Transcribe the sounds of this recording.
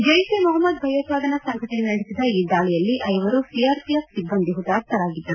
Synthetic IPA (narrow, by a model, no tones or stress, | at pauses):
d͡ʒɐjsemɔɦɐmːɐd̪bʱɐjot̪ʋaːd̪ʱɐnɐsɐŋɡɐʈennɐɽisid̪ɐiːd̪aːɭɛjɐlːiʔɐjʋɐɾupijaːɾpijɐfsibːɐnd̪iɦut̪aːkt̪ɐɾaːɡid̪ːɐɾu